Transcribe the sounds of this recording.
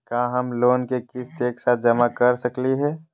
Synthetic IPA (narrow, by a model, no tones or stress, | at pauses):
kãːɦɐmloːnkekɪst̪eːksat̪̚ʰd͡ʒɐmakɐɾsəkliɦɛː